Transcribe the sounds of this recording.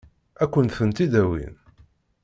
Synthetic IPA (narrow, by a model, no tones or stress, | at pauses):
ækʷːənθənt̪id̪æwḭn